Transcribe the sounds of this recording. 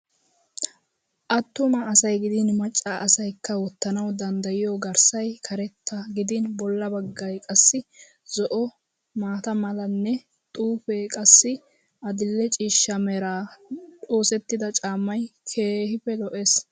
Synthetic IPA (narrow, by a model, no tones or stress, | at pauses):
ʔɐt̪ːʊmɐːsɐjɡɪd̪ɪnmɐt͡ʃʼːaʔɐsɐjkʰːɐwɔt̪ːɐnɐwd̪ɐnd̪ɐjɪjoɡɐɾsɐjkʰɐɾɛt̪ʰːɐɡɪd̪ɪnbɔlːɐbɐɡːɐjkʼɐsːɪ | zɔʔɔ | maːt̪ɐmɐlɐnːɛ | t̪ʼuːfeːkʼɐsːɪ | ɐd̪ɪlːɛt͡ʃʼiːʃːɐmɛɾaːtʼo̞ːsɛt̪ːɪd̪ɐt͡ʃʼaːmːɐjkʰeːhɪfɛlɔʔes